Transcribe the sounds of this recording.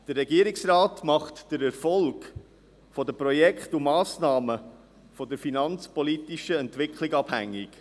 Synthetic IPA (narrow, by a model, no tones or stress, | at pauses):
d̥ərːɛɡiːɾɪksraːtmɑχtd̥əɾɛɾfɔlɡ | fɔdəpɾɔjɛkχtumɑːsnɑːmə | fɔd̪əɾfinɑnt͡spɔlit̪iʃəɛntʋɪkχʰlɪɡɑb̥hæ̰ŋːik